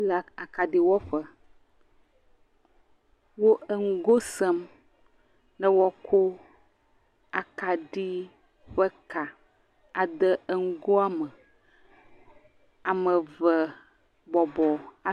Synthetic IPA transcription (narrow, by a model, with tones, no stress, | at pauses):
la˨a˨ka˨ɖi˨wɔ˦ɸə˦ | wo˦ə˦ŋ̩˦ɡo˦sə˦m | nə˦wɔ˦kʰo˦ | a˨ka˨ɖi˦ | ɸə˦ka˨ | a˨d̪ə˦ə˦ŋ̩˦ɡo˦a˦mə˨ | a˨mə˨və˨ | bɔ˨bɔ˨a˨